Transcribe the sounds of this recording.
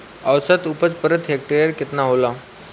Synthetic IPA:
aʋsət̪upət͡spəɾət̪ɦek̚ʈəɾjəɾket̪naɦola

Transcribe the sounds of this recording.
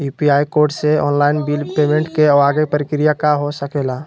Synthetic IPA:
jupiajkoɾɖseɔːnlaɪnbilpemẽɳʈkeɔaɡepəɾikɾijakaɦosəkela

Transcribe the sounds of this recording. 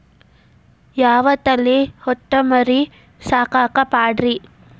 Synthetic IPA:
jaːʋɐt̪ːɐlːihɔʈːɐmɐɾi | saːkaːkɐpaːɖɾi

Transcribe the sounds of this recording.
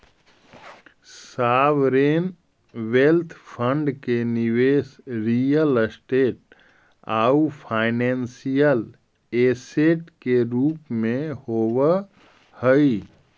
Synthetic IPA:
saʋɾen | ʋelt̪ʰpʰəɳɖkeniʋesɾijəlsʈeʈ̚ | a̰upʰaɪnensijəl | eseʈkeɾupmehobə | həj

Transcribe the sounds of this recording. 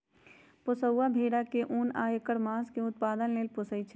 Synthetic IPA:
pʊsəwːabʱeːɽakeʔuːnaːjəkəɽmaːskeʊt̪̚paːd̪ənleːlpʊsəit͡ʃʰ

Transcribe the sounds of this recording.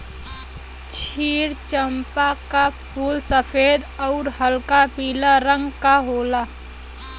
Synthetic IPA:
t͡ʃʰiːɾt͡ʃəmpakapʰuːlsəpʰeːd̪ɔʊɾɦəlkapiːlaɾə̃ŋɡkaɦoːla

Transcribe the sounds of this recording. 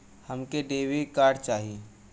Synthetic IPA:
həmkeɖeːʋikaːɾɖt͡ʃaːɦiː

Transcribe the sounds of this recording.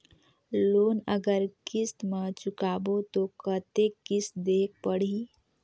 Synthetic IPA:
loːnəɡəɾkɪst̪mãt͡ʃʊkaːbot̪okət̪ekɪsd̪eːk̚pəɽ̤i

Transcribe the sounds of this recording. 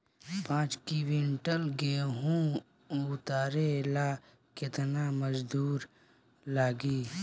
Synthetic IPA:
pãːt͡ʃkiwɪ̃ɳʈəlɡeːɦũ | ʊt̪aːɾela | kɪt̪naməd͡ʒd̪uːɾ | laːɡiː

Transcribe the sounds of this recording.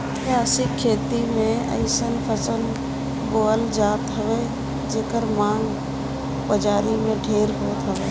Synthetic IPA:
kjaːsɪkʰːeːt̪imẽə̰ɪsənpʰəsəl | boːəld͡ʒaːt̪ɦəʋe | d͡ʒeːkəɾmãːŋɡ | pəd͡ʒaːɾimẽɖʱeːɾɦoːt̪ɦəʋeː

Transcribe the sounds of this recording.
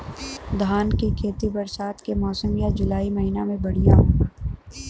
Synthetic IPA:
d̪ʱaːnkekʰeːt̪ibɐɾsaːt̪kemɔːsəmjad͡ʒʊlaːimɐɦiːnamẽbɐɽ̤ijaɦoː

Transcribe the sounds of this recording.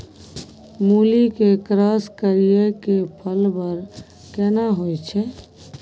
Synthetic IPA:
mulikekɾaskəɾijekepʰəlbəɾ | kɛnaɦojt͡ʃʰɛ

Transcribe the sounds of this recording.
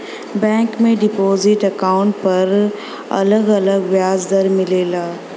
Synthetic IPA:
bɛ̃ːŋkmẽɖɪpoːzɪʈɐkaːʊ̃ɳʈ̚pɐɾ | ɐ̰ləɡɐləɡʋjaːzd̪əɾmɪleːlaː

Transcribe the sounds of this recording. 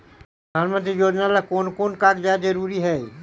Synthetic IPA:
pɾəd̪ʱaːnmə̃nt̪̬ɾijoːd͡ʒnalakoːnkoːnkaːɡd͡ʒaːd͡ʒəɾuːɾiɦɛː

